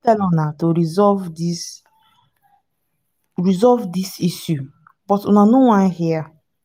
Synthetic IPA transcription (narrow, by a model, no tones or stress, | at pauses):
tɛlɔnatoɾizɔvdis | ɹizɔvdisisju | b̥ɔtunanowãnhia